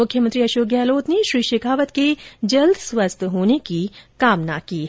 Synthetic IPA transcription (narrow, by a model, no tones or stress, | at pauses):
ʊkʰjəmə̃nt̪ɾiɐʃoːɡjaːloːt̪neʃɾiːʃeːkʰaːʋət̪ked͡ʒɐld̪swəst̪ʰɦoːnekikaːmna̰kiː